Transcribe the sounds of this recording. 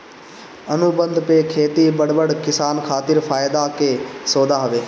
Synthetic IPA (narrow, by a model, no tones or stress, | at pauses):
ənʊbə̃nd̪peːkʰeːt̪iːbəɽbəɽkɪsaːnkʰaːt̪ɪɾpʰaːjd̪aːkeːsoːd̪aːɦəʋeː